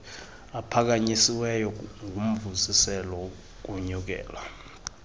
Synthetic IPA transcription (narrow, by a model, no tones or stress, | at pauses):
apʰak̬aɲisiwɛjɔŋʱum̩vusisɛlɔ | k̬uɲuk̬ɛ̰ːla